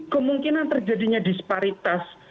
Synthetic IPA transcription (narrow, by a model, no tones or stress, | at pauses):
kəmuŋkinant̪ərd͡ʒadiɲadispaɾit̪as